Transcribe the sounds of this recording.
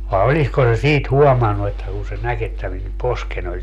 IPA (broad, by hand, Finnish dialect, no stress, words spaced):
ʋɑe olisko se siːt huɔmɑnːu etːæ kuː se næk etːæ min posken olʲ